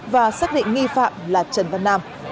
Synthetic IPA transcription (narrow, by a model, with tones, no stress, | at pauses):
vaː˨˩saː˦˥k̚ɗḭ˧˨ŋ̟ŋi˧fa̰ː˧˨mlaː˨˩t͡ɕə˨˩nvə˨˩naː˧m